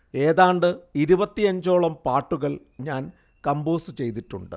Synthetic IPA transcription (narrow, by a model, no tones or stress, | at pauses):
e̞ːðaːɳɖɨiɾubɐt̪ːiɐɲd͡ʑo̞ːɭɐmpaːʈːuɣɐɭ | ɲaːn | kɐmboːsɨt͡ɕe̞jt̪iʈːṵɳɖɨ̰